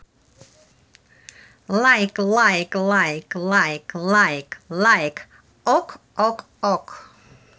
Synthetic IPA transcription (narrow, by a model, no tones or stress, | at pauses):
laɪklaɪklaɪklaɪklaɪklaɪk | ʔɔkʔɔk | ɔk